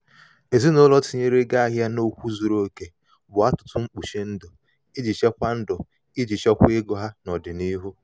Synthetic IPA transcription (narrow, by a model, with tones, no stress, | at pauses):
e˨zi˦no˦lɔ˦ti˨ɲe˦ɾe˦ɡa˦a˦ɦja˦no˦kʷu˦zu˨ɾo˦ke˨ | bʊ˨a˦tʊ̥˨tʊ˦ŋ͡m̩˦k͡pu˨ʃe˦n̩˦dʊ˨ | i˦d͡ʒi˨t͡ʃe˦kʷa˦n̩˦dʊ˨ | i˦d͡ʒi˨t͡ʃe˦kʷe˦ɡɔ˦ɦa˦nɔ˨dɪ˨ni˦ɦu˦